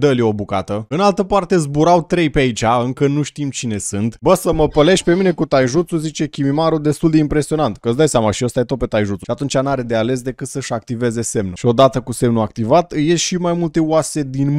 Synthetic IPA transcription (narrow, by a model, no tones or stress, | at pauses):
d̪əljeo̞buka̰t̪əɨnalt̪əpart̪e̞zbuɾawt̪ɾe̞jpeait͡ʃʲaɨŋkənuʃt̪imt͡ʃine̞sɨnt̪bəsəməpəle̞ʃpe̞mine̞kut̪ajʒut̪suzit͡ʃe̞kʲimimaɾud̪e̞st̪uld̪e̞impɾe̞sio̞nant̪kəɨtsd̪ajsjamaʃiost̪ajt̪ope̞t̪ajʒut̪suʃiat̪unt͡ʃanaɾe̞d̪e̞ale̞s̬d̪e̞kɨt̪səʃʲak̚t̪ive̞ze̞se̞mnuʃio̞d̪at̪əkuse̞mnuak̚t̪ivat̪ɨjesʃimajmult̪e̞uase̞d̪in